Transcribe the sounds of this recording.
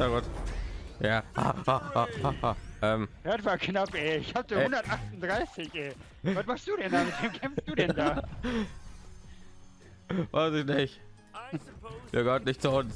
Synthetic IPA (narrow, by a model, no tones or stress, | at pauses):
aɡɔt | jaːha̰haahahaʔɛːmatv̥aːkʰnapʔɛɪçhaːp̚d̥eʊndɐtʔaχtʊndʁaɪsɪçʔɛː | vatmaχstd̥uːɾɛndaːmɪtv̥eːmkʰɛmfst̚d̥uːdɛnndaː | vaɪsɪçnɪç | fiːɡɔtnɪçtt͡sʊn